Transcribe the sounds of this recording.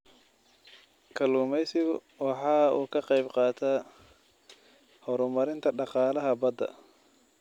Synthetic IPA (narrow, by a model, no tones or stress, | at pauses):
kʰɐluːmɛjsɪɣʊ̰ | wɑħɑːuːkʰɐqɛjbqɑːt̪ʰa | hɔɾʊmɐɾɪnt̪ʰɐɖɑqɑːlɐɦɐbɐd̪ɐ̰